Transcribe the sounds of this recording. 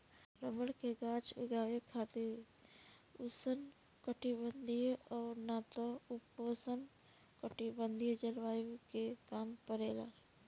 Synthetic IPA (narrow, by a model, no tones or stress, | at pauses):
ɾəməɽkeɡaːt͡ʃʊ̰ɡaːʋekʰaːt̪eɾ | ʊsən | kəʈibənd̪ʱiɔːɾnat̪oʊposən | kəʈibə̃nd̪ʱijd͡ʒəlʋaːjokekaːmpəɾeːla̰ː